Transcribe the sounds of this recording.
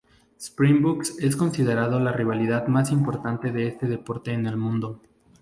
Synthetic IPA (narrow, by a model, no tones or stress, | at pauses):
spɾimbukse̞sko̞nsið̞e̞ɾað̞o̞lariβ̞aliðaðmasimpo̞ɾt̪ant̪e̞ðe̞e̞st̪e̞ðe̞po̞ɾt̪e̞ːne̞lmũnd̪o̞